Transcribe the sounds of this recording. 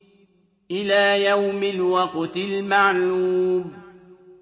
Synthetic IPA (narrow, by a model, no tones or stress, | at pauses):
ʔɪlaːjawmɪlwɑqt̪ɪlmaʕluːm